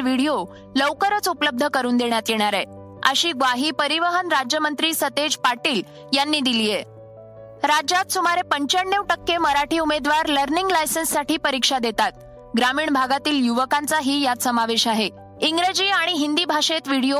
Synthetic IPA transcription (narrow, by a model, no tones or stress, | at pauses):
ʋiɽijo | ləwkəɾət͡supləb̚d̪ʱəkəɾuːnd̪eɳjat̪jeɽ̃aɾe | ə̰ɕiːɡʋaɦiːpəɾiʋəɦənɾad͡ʑjəmənt̪ɾiːsət̪ed͡ʑpaɾʈiːl | janːiːd̪iliːje | ɾad͡ʑat̪sumaɾepəɲt͡ɕəɳːjeʋʈəkːeməɾaʈiːumed̪ʋaɾləɾniŋɡlajsənsːaʈiːpəɾikʂad̪et̪at̪̚ | ɡɾamiːɳbʱaɡat̪iːljuʋəkant͡saɦiːjasəmaʋeɕaɦe | iŋɡɾəd͡ʑiːaɽ̃iɦind̪iːbʱaʂet̪ʋiɽio